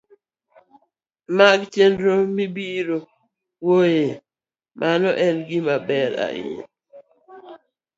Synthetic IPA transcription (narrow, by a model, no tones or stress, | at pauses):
maɡtjendɾomibiɾo | woje | mʔanɔʔɛnɡɪmabɛɾa̰ɪ̰n